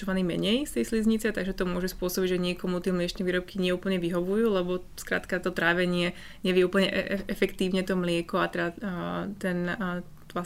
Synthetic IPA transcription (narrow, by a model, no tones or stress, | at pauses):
ɔʋaniːmɛ̰ɲɛjst̪ɛjslizɲit͡sɛt̪aɡʒɛt̪ɔmʊɔʒɛspʊɔsɔbiɟʒɛɲɪɛkɔmut̪ɪɛmlɪɛt͡ʃnɛʋiːɾɔp̚kʰiɲɪɛuːpl̩ɲɛʋiɦɔʋujuːlɛbɔ | skɾa̰ːt̪kat̪ɔt̪ɾaːʋɛɲɪɛ | ɲɛʋɪɛupl̩ɲɛʔɛʔɛfɛkt̪iːʊɲɛt̪ɔmlɪɛkɔat̪ɛd̪at̪ɛn | a